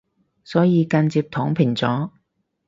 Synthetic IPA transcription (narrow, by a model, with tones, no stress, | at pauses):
sɔː˨˥jiː˨˧kɐ˧nt͡siː˧p̚t̪ʰɔː˨˥ŋpʰɪ˨˩ŋt͡sɔː˨˥